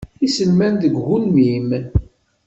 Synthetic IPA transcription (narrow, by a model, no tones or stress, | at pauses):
isəlmænd̪əɡːunmim